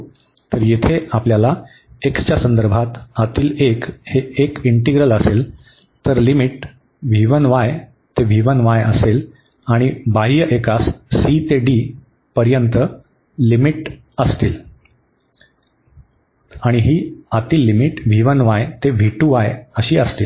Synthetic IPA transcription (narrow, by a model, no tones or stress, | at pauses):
t̪əɾjet̪ʰeapljala | ekt͡ɕjasənd̪əɾbʱat̪at̪iːlekheekiɳʈiɡɾələsel | t̪əɾlimiʈ | ʋʱiʋənʋaj | t̪eʋʱiʋənʋajə̰sel | aɽ̃ibaɦijəʔekasːit̪eɖi | pəɾjənt̪ə | limiʈ | əst̪iːl | aɽ̃iɦiːat̪iːlːimiʈʋʱiʋənʋajt̪eʋʱiʈuʋajəɕiːəst̪iːl